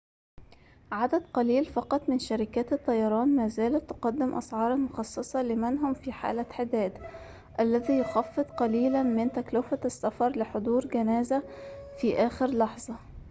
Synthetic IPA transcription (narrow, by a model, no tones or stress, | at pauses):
ʕad̪æd̪qɑliːlfɑqɑt̪ˤmɪnʃaɾɪkæːt̪ɨt̪ˤːɑjɑɾˤɑːnmæːzæːlæt̪ːʊqɑd̪ːɪmʔɑ̰sʕɑːɾˤɑlmʊxɑsˤːɨsˤɑlɪmɪnɦʊmfiːħa̰ːlaħɪd̪æːd̪ | ʔælːæðiːjʊxɑfːɨt̪ˤqɑliːlænmɪnt̪æklɪfæsːafɑɾˤlɪħod̪ˤuːɾɡænæːzæfiːʔæːxɪɾlɑħzˤɑ